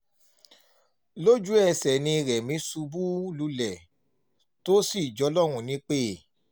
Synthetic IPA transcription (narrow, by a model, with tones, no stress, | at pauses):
lo˦d͡ʒu˦ɛ˧sɛ˨nĩ˧ɾɛ˨mĩ˨˦su˧bu˦lu˧˦lɛ˨ | to˦si˦˨d͡ʒɔ˨˧˦lɔ˦˨ɾũ˧nĩ˨˦k͡pe˦˨